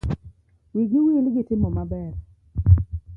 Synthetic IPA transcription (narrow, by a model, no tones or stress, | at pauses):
wiɡɪwilɡɪtɪmɔmabɛr